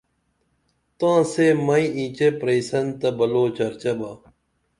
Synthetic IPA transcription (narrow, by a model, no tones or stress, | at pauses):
t̪ãːseːmɐĩĩːt͡ɕepɾeisɐnt̪ɐbɐloːt͡ɕɐɾt͡ɕɐbaː